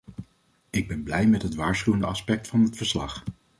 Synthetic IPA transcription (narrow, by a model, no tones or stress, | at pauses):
ɪɡ̚bɛnblɛjmɛtɦətʋaːɹsχywəndəɑspɛk̚tfɑnɦətfəɹslɑ̰χ